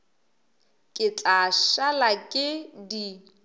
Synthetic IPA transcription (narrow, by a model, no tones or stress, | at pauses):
kʼɪt͡ɬʼaʃalakʼɪdi